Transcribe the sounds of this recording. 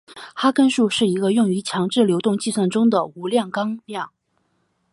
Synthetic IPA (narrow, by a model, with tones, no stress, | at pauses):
xa˥kə˥nʂu˥˧ʂɻ̩˥˩i˧˥ɡə˧jʊ˥˩ŋy˧˥t͡ɕʰjɑ˧˥ŋʈ͡ʂɻ̩˥˩ljo˧˥ʊt̪ʊ˥˧ŋt͡ɕi˥˧swa˥˩nʈ͡ʂʊ˥ŋd̪ə˨u˧˥ljɑ˥˩ŋkɑ˥ŋljɑ˥˩ŋ